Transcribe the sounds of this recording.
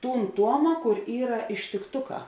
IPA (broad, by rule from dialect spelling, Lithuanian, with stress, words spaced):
ˈtuːn ˈtuɔmɐ ˈkʊr ˈiːrɐ ɪʃʲtʲɪkˈtʊˌkɑː